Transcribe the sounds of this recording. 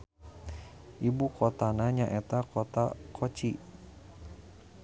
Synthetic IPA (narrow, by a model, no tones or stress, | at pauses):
ʔibukot̪anaɲaʔet̪akot̪a̰kʰot͡ʃi